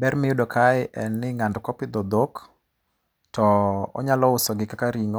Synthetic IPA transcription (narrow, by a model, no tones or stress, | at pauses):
bɛɾmɪjʊdɔkʰaɪʔɛnːɪŋandkɔpɪd̪ɔd̪ok | tɔɔ̰ɲalɔʊsɔɡɪkakaɾiŋɔ